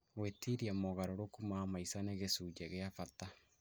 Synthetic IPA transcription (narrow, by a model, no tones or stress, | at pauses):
wetiɾiamoɣaɾoɾokumamaisaneɣesud͡ʒɛɣeafata